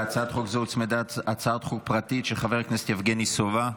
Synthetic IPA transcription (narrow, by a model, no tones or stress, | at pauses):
at͡sat̪χukzeut͡smed̪at̪at͡sat̪χuk̚pʁat̪itʃeχaveʁknese̥t̪jafɡenisova